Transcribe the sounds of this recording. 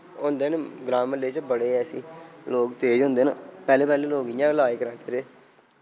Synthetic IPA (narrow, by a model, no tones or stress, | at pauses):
ʊnd̪eːnɡɾãːməleːt͡ʃbəɽeːɛːsḭːloːkt̪eːd͡ʒɦʊ̃nd̪eːnpɛːleːpɛːlẽːloːkɪjãːlaːiːkəɾãːt̪eːɾeː